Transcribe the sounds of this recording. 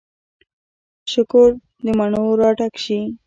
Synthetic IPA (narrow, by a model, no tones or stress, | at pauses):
ʃʊkʊɾ | d̪əmaɳoɾɑʈakʃi